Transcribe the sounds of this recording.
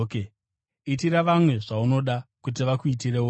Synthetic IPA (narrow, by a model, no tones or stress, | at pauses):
ke | itiɾaʋamwe̞ʐauno̞ɗakut̬iʋakuit̬ireo